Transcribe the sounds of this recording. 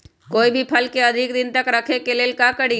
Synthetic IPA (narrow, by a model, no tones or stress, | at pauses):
koːibʱipʰəlkeəd̪ʱɪk̚d̪ɪnt̪əkɾəkʰekeleːlkakəɽi